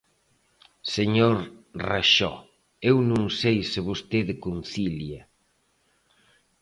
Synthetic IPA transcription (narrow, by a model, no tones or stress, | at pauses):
seɲoɾraʃɔ̰ | ewnũŋsejsɪβost̪eðɪkunθilja